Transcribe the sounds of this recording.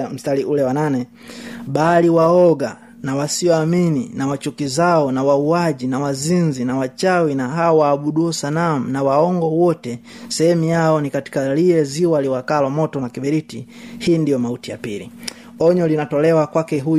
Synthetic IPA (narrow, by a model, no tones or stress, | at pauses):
m̩staliʔulɛwananɛ | ɓaliwaɔɡa | nawasiɔamininawat͡ʃukizaɔnawauaʄinawazinzinawat͡ʃawinaɦaɔwaːɓuɗuɔsanam̩nawaɔŋɡɔwɔtɛsɛɛmujaɔnikati̥kaliɛziwaliwakalɔmɔtɔnakiɓɛɾiti | hiːndijɔmautija̰pilḭ | ɔɲɔlinatɔlɛwakwakɛɦu